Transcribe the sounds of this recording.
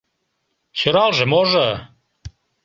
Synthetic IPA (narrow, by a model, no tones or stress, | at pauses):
t͡ɕøɾɑlʒemoʒə